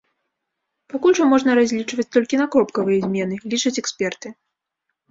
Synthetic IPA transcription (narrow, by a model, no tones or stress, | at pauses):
pakulʲʐɐmɔʐnɐɾazʲlʲit͡ʂvɐt͡sʲt̪ɔlʲkʲinɐkɾɔpkɐvɨjɛzʲmʲɛn̪ɨlʲit͡ʂɨt͡sʲɛksʲpʲɛrt̪ɨ